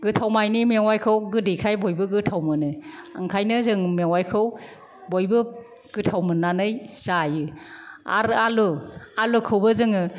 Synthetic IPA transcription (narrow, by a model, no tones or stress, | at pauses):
ɡɯtʰawmajnimewajkʰɯwɡɯdikʰajbɔjbɯɡɯtʰawmɯnɯaŋkʰajnɯzɯŋmewajkʰɯw | bojbɯ | ɡ̥ɯtʰawmɯnːanɯjsajɯa̰ɾalualukʰɯwbɯzɯŋɯ